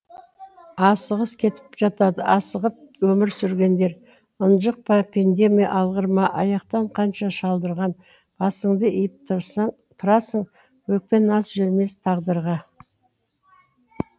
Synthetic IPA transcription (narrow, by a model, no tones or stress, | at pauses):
ɑsəʁəskʲʰe̞t̪ɪ̥pʒ̥ɑt̪ɑd̪əʔɑsəʁəp̚wɵmɪɾsʏɾɡʲe̞nd̪e̞ɾ | ʊnʒəq̚pɑpʰend̪e̞mijɑ̰ʔɑlˠʁəɾmɑʔɑjɑqt̪ɑɴqʰɑnʃɑʃɑlˠd̪əɾʁɑn | b̥ɑsəɴd̪əʔijɪp̚t̪ʰ | t̪ʰʊɾɑsəɴ | wɵk̚pe̞nɑsʒʏɾme̞st̪ʰɑʁd̪əɾʁɑ